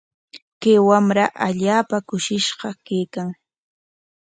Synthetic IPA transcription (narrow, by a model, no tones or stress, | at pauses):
kewamɾaʔaʎaːpakʊʃɪʃɢɑkejkaŋ